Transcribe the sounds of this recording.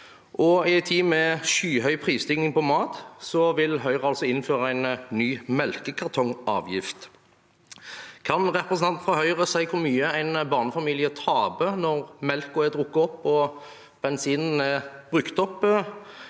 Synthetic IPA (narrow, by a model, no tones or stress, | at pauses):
ʔɔɪɛɪt̪ʰiːmɛʃyːɦœʏpʰʁiːsd̪ʏŋnɪŋpɔmɑːt̪sɔʋɪlɦœʏʁəɑlsɔɪnːføːʁəæɪnnyːmɛlkəkʰɑʁt̪ʰɔŋɑ̰ːʋjɪft̪ | kʰɑnʁɛpɾəsn̩ɑnt̪fʁɑhœʏʁəsæɪkʰʊɾmyːəæɪnbɑːʁnəfɑmiːlɪət̪ʰɑːbənɔʁmɛlkʊɛd̪ʁʊkːəɔpːɔ | b̥ɛnsiːnn̩ɛb̥ʁʉkt̪ɔpː